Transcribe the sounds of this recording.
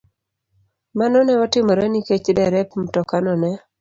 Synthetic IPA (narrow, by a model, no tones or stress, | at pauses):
manɔnɛɔtɪmɔɾɛniket͡ʃdɛɾɛpm̩tɔkanɔnɛ